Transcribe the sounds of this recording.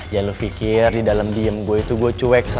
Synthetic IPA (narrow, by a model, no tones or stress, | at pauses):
d͡ʒalufikɪrdidalamdiəmɡuait̪uɡuat͡ʃuwɛk̚sa